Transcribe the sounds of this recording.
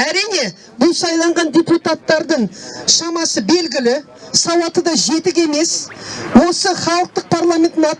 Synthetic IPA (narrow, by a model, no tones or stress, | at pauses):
æɾijne̞ | bʊlˠsɑjlˠɑɴʁɑndʲe̞put̪at̪ːɑɾd̪əɴʃɑmɑsəbe̞lɡʲɪlɪ | sɑwɑt̪əd̪ɑʒe̞t̪ɪk̬ʲe̞me̞swo̞səχɑlˠəq̚t̪əq̚pʰaɾlˠamʲe̞nt̪ɪnɑ